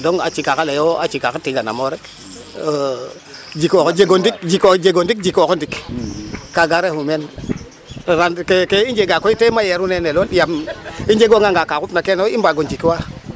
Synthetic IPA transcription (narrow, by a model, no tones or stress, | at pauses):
doŋa̰t͡ʃikakalejoat͡ʃikakatiɡana̰moɾek | d͡ʒikokod͡ʒeɡondik̚d͡ʒikod͡ʒeɡondik̚d͡ʒikokondik | kaɡaɾehumen | ɾankekeind͡ʒeɡakoitemajeɾuneneloljamind͡ʒeɡoŋɡaŋɡakakupnakenimbaɡond͡ʒikiwa